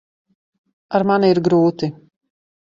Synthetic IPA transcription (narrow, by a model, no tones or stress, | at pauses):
aɾmaniɾɡɾuːt̪i